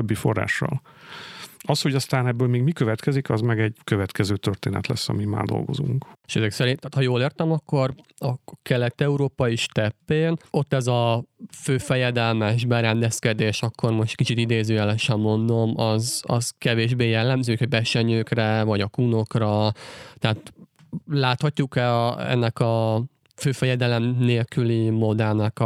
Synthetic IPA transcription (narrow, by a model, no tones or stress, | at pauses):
bːifo̞̰rːa̰ːʃːɒ̰l | ɒsho̞ɟɒst̪aːnɛbːøːlmeːɡmikøvɛt̪kɛzikɒzmɛɡɛɟkøvɛt̪kɛzøːt̪ørt̪eːnɛ̰t̪lɛ̰sːɒ̰mima̰ːrd̪o̰lɡo̞̰zṵŋkeʃɛzɛksɛɾint̪aːt̪hɒjoːleːrt̪ɛmɒkːo̞rɒkɛlɛt̪ːɛuɾoːpɒiʃt̪ɛpːeːno̞t̪ːɛzɒføːfɛjɛd̪ɛlmɛʒbɛɾɛnd̪ɛskɛd̪eːʃɒkʰːo̞rmo̞ʃt̪kit͡ʃit̪id̪eːzøːjɛlɛʃɛmːo̞nd̪o̞mɒzɒ̰zkɛveːʒbeːjɛlːɛmzøːkhobɛʃɛɲøːkrɛvɒɟɒkuno̞krɒt̪ɛɦaːt̪ | laːt̪hɒcːukɛ̰nːɛkɒ | føːfɛjɛd̪ɛlɛmneːlkylimo̞d̪ɛlnɛk